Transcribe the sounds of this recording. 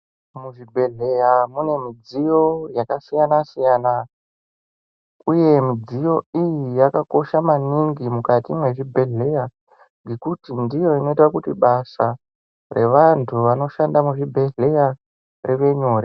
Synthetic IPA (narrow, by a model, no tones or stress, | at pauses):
muʐibʱe̞ɮejamune̞mid͡zijo̞jakasijanasijaːna | uje̞mid͡zijo̞ijijakako̞ʃamaniŋɡimukatimwe̞ʐibʱe̞ɮe̞ja | ŋɡe̞kutindijo̞ino̞itwakutiɓasa | re̞̰ʋantʰuʋano̞ʃandamuʐibʱe̞ɮe̞ja | riʋe̞ɲoːre